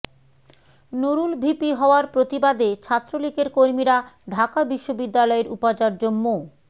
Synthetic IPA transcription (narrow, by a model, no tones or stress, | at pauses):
noɾulbʱipiɦɔoaɾpɾot̪ibad̪et͡ɕʰat̪ːɾolikeɾkoɾmiɾaɖʱakabiʃːobid̪ːalɔeɾupat͡ɕaɾd͡ʑomːo